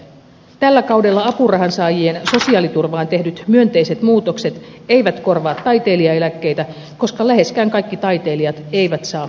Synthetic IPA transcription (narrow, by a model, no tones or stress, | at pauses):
t̪ælːækɑwde̞lːɑɑpurɑɦɑnsɑːjienso̞siɑːlit̪urʋɑːnt̪e̞hdyt̪myønt̪e̞jse̞t̪muːt̪o̞kse̞t̪e̞jʋæt̪ko̞rʋɑːt̪ːɑjt̪e̞ːliɑe̞lækːe̞jt̪æ | ko̞skɑlæɦe̞skæːŋkɑjkːit̪ɑjt̪e̞ːliɑt̪e̞jʋæt̪sɑː